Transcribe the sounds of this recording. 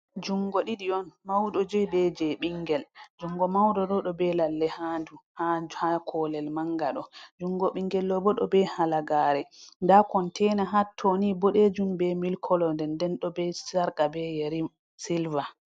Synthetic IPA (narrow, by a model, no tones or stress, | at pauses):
d͡ʒuŋɡɔɗiɗiɔnmawɗɔd͡ʒɛbɛd͡ʒɛɓiŋɡɛld͡ʒuŋɡɔmawɗɔɗɔɗɔbɛlalːɛhanduhahakʰɔlɛlmaŋɡaɗɔd͡ʒuŋɡɔɓiŋɡɛlːɔbɔɗɔ̰bɛhalaɡaːɾɛndakɔntʰɛnaɦatʰːonibɔɗɛd͡ʒumbɛmilkʰɔlɔndɛndɛnɗɔbɛsaɾkabɛjaɾi | silva